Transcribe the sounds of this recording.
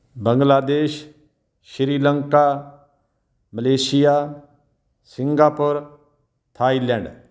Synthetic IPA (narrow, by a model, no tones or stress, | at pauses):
bə̃ŋɡlaːd̪eːʃ | ʃɪɾiːləŋkaː | məleːsɪjaː | sɪ̃ŋɡaːpʊɾ | t̪ʰaːilɛ̃ːɳɖ